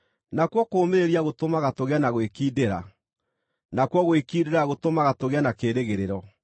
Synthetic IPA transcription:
nakwɔkoːmeɾiaɣotomaɣatoɣeanaɣwekiːdeɾa | nakwɔɣowekiːdeɾaɣotomaɣatoɣeanakeːɾeɣeɾeɾɔ

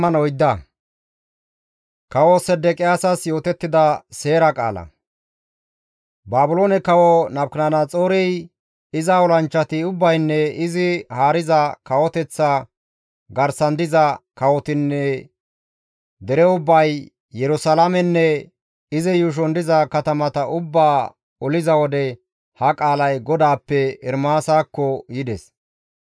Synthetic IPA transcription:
ɐnɔjd̪ːɐ | kɐwosɛd̪ɛkʼɪjaːsɐsjo̞ːt̪ɛt̪ːɪd̪ɐse̞ːɾɐkʼa̰ːlɐ̰ | baːbʊlo̞ːnɛkɐwɔnɐb̚knɐnɐt͡sʼoːɾɛj | ɪzɐɔlɐnt͡ʃːɐt̪ɪʊbːɐjnːɛɪzɪhaːɾɪzɐkɐwɔt̪ɛt͡sːɐ | ɡɐɾsɐnd̪ɪzɐkɐwɔt̪ɪnːɛ | d̪ɛɾɛʊbːɐj | jɛɾʊsalamɛnːɛ | ɪzɛjuːʃ̬ɔnd̪ɪzɐkɐt̪ɐmɐt̪ɐʔʊbːaː | ɔlɪzɐwɔd̪ɛ | hɐkʼaːlɐjɡɔd̪aːpːɛɛɾmaːsaːkːɔjɪd̪ɛs

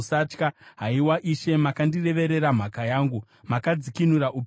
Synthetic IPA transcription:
sat͡ʃkaɦaiwaʔiʃe̞makandire̞ʋe̞ɾe̞ɾam̤akajaːŋɡu | makad͡zikinuɾaʔu

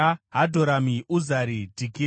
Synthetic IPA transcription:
aɦadʱoɾamiʔuzaɾidʱiki

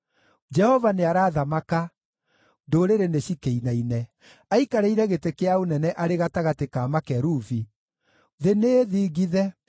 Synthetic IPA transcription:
d͡ʒɛhɔvaneaɾaːðamaka | ndoɾeɾeneɕikeinainɛ | aikaɾeiɾɛɣetekeaonɛnɛʔaɾeɣataɣatekaːmakɛɾuvi | ðeneðiːɣiðɛ

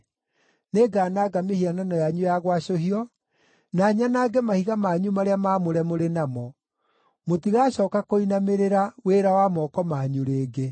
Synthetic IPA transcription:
neɡaːnaːɡamehiananɔjaɲujaɣwaɕohiɔ | naɲanaːɡɛmahiɣamaɲumaɾeamaːmoɾɛmoɾenamɔ | motiɣaɕɔːkakoinameɾeɾaweɾawamɔkɔmaɲuɾeːɡe

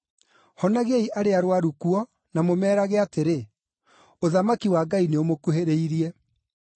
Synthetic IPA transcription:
hɔnaɣeiʔaɾeaɾwaɾukuɔ | namomɛːɾaɣɛateɾe | oðamakiwaɡaineomokuheɾeiɾiɛ

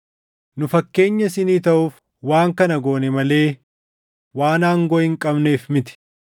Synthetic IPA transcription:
nʊfɐkːe̞ːɲːɐsɪniːt̪ɐʔʊf | waːŋkɐnɐɡo̞ːnɛmɐle̞ː | waːnaːŋɡɔʔɪŋkʼɐbneːfmɪt̪ɪ̥

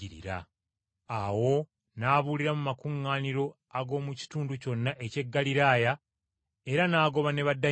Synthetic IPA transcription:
iɾḭɾa̰ | awo̞ | naːβuliɾamumakuŋːaːniɾo̞ | aɡo̞ːmuci̥tuːnduco̞nːaʔe̞ce̞ɡːaliɾaːja | e̞ɾanaːɡo̞βane̞βadːa

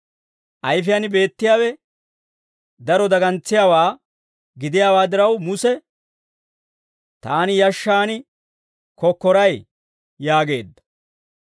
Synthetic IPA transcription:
ʔɐjfɪjanbe̞ːt̪ːɪjaːwɛ | d̪ɐɾɔd̪ɐɡɐnt͡sːɪjaːwaː | ɡɪd̪ɪjaːwaːd̪ɪɾɐwmʊsɛ | t̪aːnɪjɐʃːaːnɪ | kɔkːɔɾɐj | jaːɡe̞ːd̪ːɐ̥

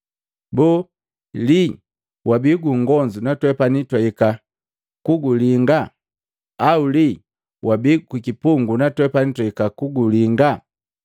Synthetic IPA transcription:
bu | li | wʔabiɡuŋɡɔɲd͡ʒunatwɛpanitwaika | kuɡuliŋɡa | auli | wabiɡukikipuŋɡunatwɛpanitwaikakuɡuliŋɡa

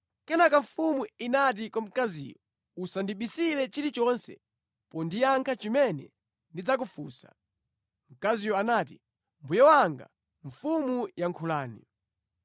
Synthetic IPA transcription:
kɛnakaɱfumuinat̬ikam̩kazḭːjɔ | usandiɓisilɛt͡ʃiɾit͡ʃɔnsɛ̰ | pɔndijaŋkʰat͡ʃimɛnɛ̰ | ndid͡zak̬ufuːsḁ̰ | m̩kazijɔanaːti | mbujawaŋɡa̰ | ɱfumujaŋkʰulaːnḭ

